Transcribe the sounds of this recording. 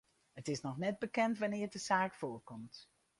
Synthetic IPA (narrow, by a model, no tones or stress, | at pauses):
ɦətɪsnɔχnɛd̚bəkɛntʋanɪːɹdəzaːkfoːrkɔmt